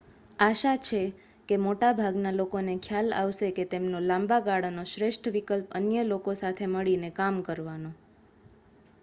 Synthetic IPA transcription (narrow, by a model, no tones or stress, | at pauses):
aʃat͡ʃʰe | kemoʈabʱaɡnalokonekʰjala̰ʋʃeket̪emnolãmbaɡaɽnoʃɾeʃʈʰʋikəlpə̰njəlokosat̪ʰeməɭinekamkəɾʋano